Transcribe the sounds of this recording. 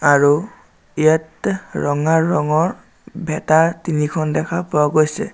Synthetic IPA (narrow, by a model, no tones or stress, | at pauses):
aɹu | iatɹɔŋaɹɔŋɔɹ | bʱɛtaɹtinikʰɔndɛkʰapʊaɡojsɛ̰